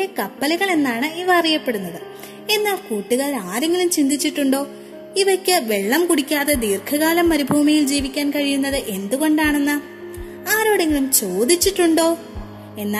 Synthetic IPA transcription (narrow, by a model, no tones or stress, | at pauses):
ekɐpːɐlɐɣɐɭe̞nːaːɳɨiʋɐɐrijɐpːe̞ɽunːɐðɨ | e̞nːaːlkuːʈːuɣɐɭaːɾeŋɡilumt͡ɕind̪it͡ɕːiʈːuɳɖo̞ː | iʋɐkʲːɨʋe̞ɭːɐmkuɽikʲːaːðe̞d̪iːrkʰɐɣaːlɐmːɐɾubʱuːmijild͡ʑiːʋikʲːaːnkɐɻijunːɐðɨʔe̞nd̪uɣo̞ɳɖaːɳe̞nːɨ | aːɾoːɽeŋɡilumt͡ɕo̞ːd̪it͡ɕːiʈːuɳɖo̞ː | e̞nːa